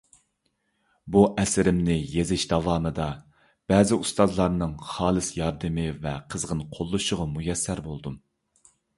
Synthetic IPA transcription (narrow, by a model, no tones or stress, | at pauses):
buʔɛsɪɾɪmnɪjezɪʃd̪ɑvɑːmɨd̪ɑ | b̥ɛːzɪust̪ɑzlˠɑɾnɨŋχɑːlˠɨsjɑɾd̪ɨmɨvɛqʰəzʁənqʰolˠːuʃʊʁɑmujɛsːæɾbolˠd̪um